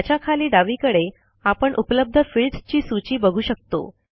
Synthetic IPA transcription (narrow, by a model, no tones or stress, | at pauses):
t͡ɕakʰaliːɖaʋiːkəɽe | apəɳʔupləb̚d̪ʱəfilʈt͡ɕiːsut͡ɕiːbəɡʱuːɕək̚t̪o̰